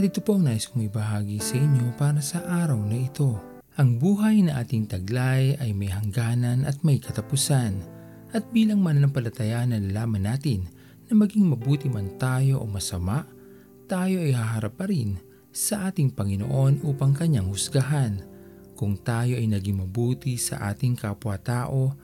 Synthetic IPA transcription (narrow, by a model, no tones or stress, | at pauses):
ɐt̪ɪt̪opo̞ʔɐŋnaːʔɪskʊŋɪbɐɦaːɡisɐʔɪɲːo̞paːɾɐsɐʔaːɾɐwnɐʔɪt̪o̞ | ʔɐŋbuːɦɐjnɐʔaːt̪ɪŋt̪ɐɡlajʔɐjmɐjhɐŋɡaːnɐnɐt̪̚mɐjkʰɐt̪ɐpʊsan | ʔɐt̪̚biːlɐŋmanːɐŋpɐlɐt̪ɐjaʔɐnɐlɐlaːmɐnːaːt̪ɪnː | ɐmɐɡiŋmɐbuːt̪ɪmɐnt̪aːjo̞ʔo̰mɐsɐmaʔ | t̪aːjo̞ʔɐjhaɦɐɾɐp̚ːɐɾin | sɐʔaːt̪ɪŋpɐŋɪno̰ʔo̞nʔuːpɐŋkɐɲaŋhʊsɡaɦan | kʊŋt̪aːjo̞ʔɐjnɐɡiŋmɐbuːt̪isɐ̰ʔa̰ːt̪ɪŋkɐpwat̪aːʔo̞